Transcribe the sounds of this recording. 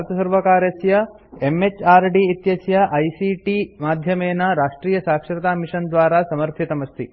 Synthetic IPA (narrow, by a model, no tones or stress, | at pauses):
ɾt̪ʰɐsɐɾʋɐkaːɾjɐsjɐ | emet͡ʃaːɾɖiit̪jɐsjɐʔɐjsiʈimaːd̪ʱjɐmeːnɐɾaːʂʈɾiːjɐsaːkʂɾɐt̪aːmiʂɐnd̪ʋaːɾasɐmɐɾt̪ʰit̪ɐmɐst̪ʰḭ